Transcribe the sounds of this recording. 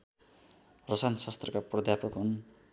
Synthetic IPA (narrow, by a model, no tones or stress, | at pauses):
rʌsansʌst̪rʌkaprʌd̪ʱjapʌkɦun